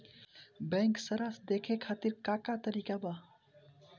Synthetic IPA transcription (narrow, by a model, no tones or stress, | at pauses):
bɛ̃ːŋksəɾaːsd̪eːkʰekʰaːt̪iɾkaːkat̪əɾiːkabaː